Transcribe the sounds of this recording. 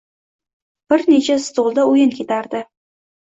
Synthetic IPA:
b̥ɪɾnet͡ʃʰast̪olˠd̪aujɪnkʲʰet̪aɾd̪ɪ

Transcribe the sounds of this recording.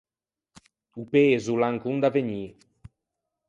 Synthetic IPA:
upeːzulaŋkuŋd̪aveɲi

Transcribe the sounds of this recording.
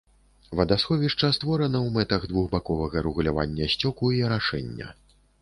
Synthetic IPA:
vɐd̪asxɔvʲiʂt͡ʂɐst̪vɔɾɐnɐwmɛt̪ɐɣd̪vuɣbakɔvɐɣɐɾɨɣulʲava̰nʲːɐsʲt͡sʲɔkuiɾaʂɛnʲːɐ̰

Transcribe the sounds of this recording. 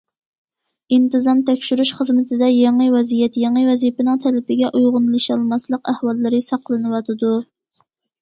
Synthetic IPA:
int̪ɨzɑmt̪ʰɛkʲʃyɾuʃχəzmɪt̪ʰɪd̪ɛjɑŋəwɛzijɛt̪jɑŋəwɛzipɪnɨŋt̪ʰɛlɪpɪɡʲɛʔujʁʊnlˠɨʃɑlˠmɑslˠəqæhwɑlˠːɨɾɪsɑqlˠɨnɨwɑt̪ʰɨd̪u

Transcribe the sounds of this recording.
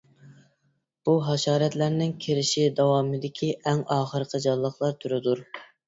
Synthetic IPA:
b̥uɦɑʃɑːɾɛt̪læɾnɪŋkʲʰeɾɪʃid̪ɑwɑːmɨd̪ɪkʲʰiʔɛŋɑːχəɾqʰəd͡ʒɑlˠːəχlˠɑɾt̪ʰuɾɨd̪uɾ

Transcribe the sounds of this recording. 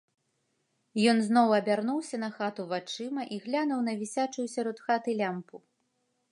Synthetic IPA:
jɔnznɔwɐbʲarnuwsʲɐnɐxat̪uvat͡ʂɨmɐʔiɣlʲanuwnɐvʲisʲat͡ʂujusʲaɾɔt̪xat̪ɨlʲampu

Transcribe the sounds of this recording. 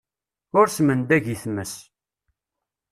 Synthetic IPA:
ʊɾsmənd̪æʝiθməs

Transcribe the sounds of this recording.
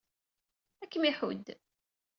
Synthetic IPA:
ækːəmiħṵd̪

